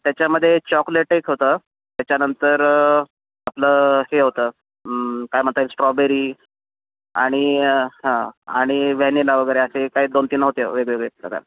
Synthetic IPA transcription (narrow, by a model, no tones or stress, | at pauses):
t̪jat͡ɕjaməd̪ʱːjet͡ɕɔkleʈekɦot̪ə | t̪jat͡ɕjanənt̪əɾ | apləːheɦot̪ə | kajm̤əɳt̪aisʈɾɔbeɾiː | a̰ɽ̃iɦãa̰ɽ̃iʋɛnilaʋəɡəjɾeəsekaɦiːd̪ont̪iːnaɦot̪eʋeɡʋeɡɭeɾə̰ka̰ɾ